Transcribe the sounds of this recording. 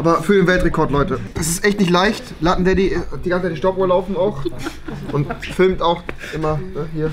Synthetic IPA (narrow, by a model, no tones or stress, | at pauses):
ʔʔaːbɐfyːɐdeːnvɛltʁekʰɔɐtlɔʏtəd̥as̬ɪstʔɛçtnɪçtlaɪçt | latn̩dɛdid̥iːɡant͡sət͡saɪt̬ːiʃtɔpoːɐlaʊfn̩aʊx | ʔʊntfɪlmtaʊx | ʔɪmɐnəhiːɐ